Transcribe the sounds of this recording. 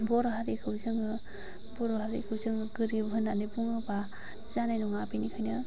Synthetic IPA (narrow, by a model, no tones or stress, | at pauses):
bɔɾɔɦaɾikʰɯwzɯŋɯ | bɔɾɔɦaɾḭkʰɯwzɯŋɯɡɯɾibɦɯnanibuŋɯba | zanajnɔŋapinikʰajnɯ